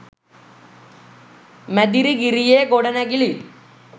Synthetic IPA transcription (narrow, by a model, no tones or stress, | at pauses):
mɐd̪iɾikirijeːkoɽɐnɐɡili